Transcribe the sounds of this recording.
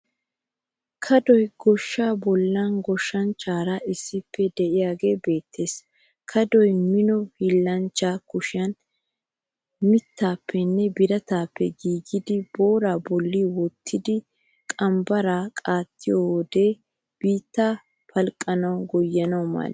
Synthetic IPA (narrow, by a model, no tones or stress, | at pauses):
kʰɐd̪ɔjɡɔʃːaːbɔlːɐnɡɔʃːɐnt͡ʃːaːɾɐʔɪsːɪpːɛd̪ɛʔɪjaːɡe̞ːbe̞ːt̪ʰːe̞ːs | kʰɐd̪ɔjmɪnɔhɪlːɐnt͡ʃːaːkʊʃɪjɐn | mɪt̪ːaːpʰːɛnːɛbɪɾɐt̪aːpːɛɡiːɡɪd̪ɪbo̞ːɾaːbɔlːiwɔt̪ʰːɪd̪ɪ | kʼɐmbɐɾaːkʼaːt̪ʰːɪjowɔd̪e̞ː | b̥iːt̪ːaː | pʰɐlkʼːɐnɐwɡɔjːɐnɐwmɐ̰l